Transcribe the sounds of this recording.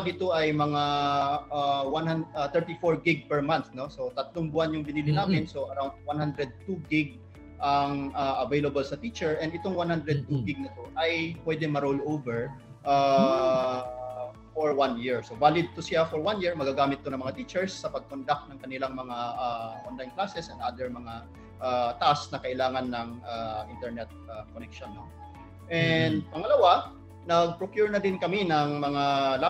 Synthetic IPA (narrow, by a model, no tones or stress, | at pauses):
ɡɪt̪o̞ʔɐjmɐŋa | awanhanat̪ɛɹt̪ifoɹɡɪɡ̚pɛɹmanθno̞so̞t̪ɐt̪loŋbʊʔanjʊŋbɪniːlɪnaːmɪnso̞ʔɐɾawnd̪̚wanhand̪ɾɛd̪̚t̪uɡɪɡ̚ | ʔɐŋʔaːʔɐvejlɐbɐlsɐt̪it͡ʃɛɹʔɛnɪt̪oŋwanhand̪ɾɛd̪̚t̪uɡɪɡ̚nɐt̪o̞ʔɐjpwɛd̪ɛmɐɾowlowvɛɹ | ʔa | foɹwanjiɹsovaːlɪd̪̚t̪ʊsɪjafoɹwanjiɹmɐɡaɡaːmɪt̪̚ːonɐŋmɐŋat̪iːt͡ʃɛɹsːɐpɐɡ̚kond̪ak̪̚nɐŋkɐnɪlaŋmɐŋaʔaʔonlajnklaːsɛsɐnʔaːd̪ɛɹmɐŋa | ʔat̪ɐʔasnɐkɐʔɪlaːŋɐnːɐŋaʔɪnt̪ɛɹnɛt̪̚akonɛkʃonːo | ʔɛnd̪̚pɐŋɐlɐwa | nɐɡ̚pɹokjuɹnɐd̪ɪnkɐminɐŋmɐŋala